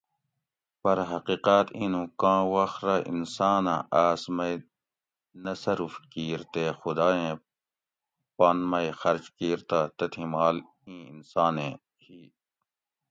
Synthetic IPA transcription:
pɐɾɦɐqiːqaːt̪ĩːnũːkãːwɐxɾaʔḭnsaːnãʔaːsmɐi | nɐsɐɾufkiːɾt̪eːxʊd̪aːẽː | paːnmɐixɐɾt͡ʃkiːɾt̪aːt̪ɐt̪ʰĩmaːl | ĩːinsaːnẽː | hiː

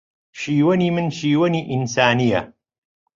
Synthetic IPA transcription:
ʃiːwɐniːmɨnʃiːwɐniːʔɪnsaːnija̰

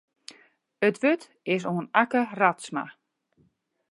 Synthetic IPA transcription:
ətʋøt | ɪsoənakəratsma̰

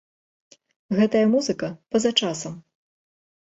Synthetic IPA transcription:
ɣɛt̪ɐjɐmuzɨkɐpɐzat͡ʂasɐm

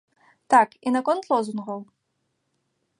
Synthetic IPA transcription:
t̪akinakɔnt̪lˠɔzunɣɐw

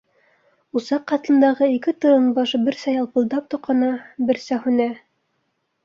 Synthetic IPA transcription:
usɑqːɑt̪ɤ̆nd̪ɑʁɤikɘt̪ɤ̆ɾɤnbɑʃbɘ̆ɾsæjɑlˠpɤ̆lˠd̪ɑp̚t̪ŏqʰɑ̆nɑbɘ̆ɾsæhʉnæ

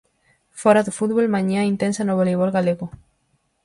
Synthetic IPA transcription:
foɾaðufut̪̚βolmãɲãint̪ensanoβoleβ̞olɣaleɣo

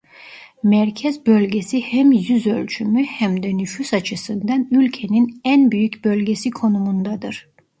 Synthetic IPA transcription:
mæɾcʰɛzbø̞lʲɟe̞sihɛmjyzølʲt͡ʃʰymyhæmd̪ɛnyfysat͡ʃʰɯsɯnd̪anylʲcʰe̞ninænbyjycbø̞lʲɟe̞sikʰo̞numund̪ad̪ɯɾ̥

